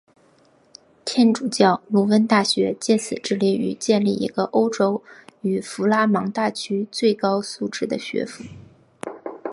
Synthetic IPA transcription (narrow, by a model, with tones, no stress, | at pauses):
t̪ʰjɛ˥˩nʈ͡ʂu˨˩t͡ɕjɑ˥˩ʊnu˧˥wə˥nt̪a˥˩ɕɥɛ̰˧˥t͡ɕjɛ˥˩sɹ̩˨˩ʈ͡ʂɻ̩˥˧li˥˩y̰˨˩t͡ɕjɛ˥˧nli˥˩ḭ˧˥ɡə˧ʔo˥ʊʈ͡ʂo˥ʊy˨˩fu˧˥la˥mɑ˧˥ŋt̪a˥˩t͡ɕʰy˥t͡swe˥˩ɪkɑ˥ʊsu˥˧ʈ͡ʂɻ̩˥˩d̪ə˩ɕɥɛ̰˧˥fu˧˥˦